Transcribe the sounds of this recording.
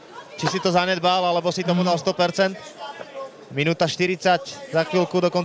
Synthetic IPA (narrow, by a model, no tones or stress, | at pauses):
t͡ʃisit̪ɔzaɲɛd̪balalɛbɔsit̪ɔmud̪alst̪ɔpɛɾt͡sɛnt̪ | minuːt̪aʃt̪iɾit͡saczaxʋilkud̪ɔkɔn